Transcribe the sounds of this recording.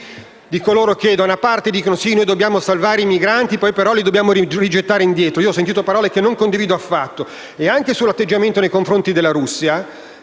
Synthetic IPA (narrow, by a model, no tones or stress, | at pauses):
d̪ikoloːɾoked̪anapart̪ed̪iːkonosinoːjd̪obːjaːmosalvaːɾeimiɡɾant̪ipɔjpeɾɔlid̪objaːmoirid͡ʒet̪ːaːɾeind̪jɛːt̪ɾoioɔsːent̪it̪opaɾɔːlekenːoŋkond̪iviːd̪oafːat̪ːo | eaŋk̟esulat̪ːed͡ʒament̪onejkoɱfɾont̪id̪elaɾusːja